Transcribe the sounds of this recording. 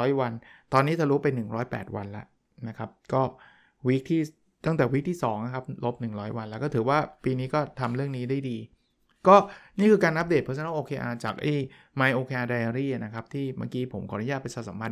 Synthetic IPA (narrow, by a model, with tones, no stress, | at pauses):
jwa˧nt̪ɔː˧nːiː˦˥t̪ʰa˨˩ɾuː˦˥pe˧nːɯ˨˩ŋɾɔː˦˥jpɛ̰ː˨˩t̪̚wa˧nla̰˦˥ʔ | na˦˥kʰa˦˥p̚kɔː˥˩ | wi˦˥k̚t̪ʰiː˥˩ | t̪a˥˩ŋt̪ɛː˨˩wi˦˥k̚t̪ʰiː˥˩sɔ̰ː˩˦ŋna˧˩kʰa˦˥p̚lo˦˥p̚nɯ˨˩ŋɾɔː˦˥jwa˧nlɛ˦˥kɔː˥˩t̪ɯː˩˦waː˥˩piː˧niː˦˥kɔː˥˩t̪ʰa˧mɾɯ˥˩əŋniː˦˥da˥˩jdiː˧ | kɔː˥˩niː˥˩kʰɯː˧kaː˧nʔa˦˥deː˨˩t̪̚ʰɯ˨˦t͡ɕʰa˧na˦˥ʔoː˧kʰeː˧ʔaː˧t͡ɕaː˨˩k̚ʔe˥˩ | ma˧jʔoː˧kʰeː˧ʔaː˧daː˧ja˧ɾiː˥˩a˩na˦˥kʰa˦˥p̚t̪ʰiː˥˩ma̰ː˧kiː˦˥pʰo˩˦mkʰɔ˨˩˦na˦˥jaː˥˩pe˧saː˨˧˩sa˩˦pʰa˧n